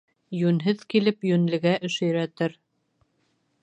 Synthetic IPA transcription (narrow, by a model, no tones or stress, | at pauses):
jʉnɦɘðkilɘpjʉnlɘ̆ɡæʔɵ̆ʃɵ̆jɾæt̪ɘɾ